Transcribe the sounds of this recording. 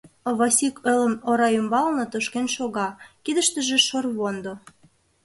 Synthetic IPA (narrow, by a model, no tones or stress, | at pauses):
βɑsʲikølə̆moɾɑymbɑlnɤ̆t̪oʃkenʃoɣɑkid̪əʃt̪ə̆ʒĕʃorβond̪ŏ